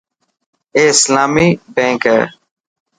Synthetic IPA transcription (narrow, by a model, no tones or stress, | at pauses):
eːɪslaːmiːbẽːŋkɛ̰ː